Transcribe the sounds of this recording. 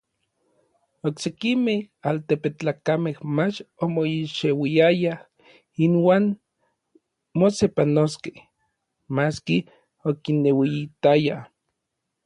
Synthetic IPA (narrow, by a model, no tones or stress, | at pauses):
oksekimehalt̪epet͡ɬaːkamehmat͡ʃomoiʃewiaja | inwaːn | mosepanoskeh | maski | okinːewiit̪aja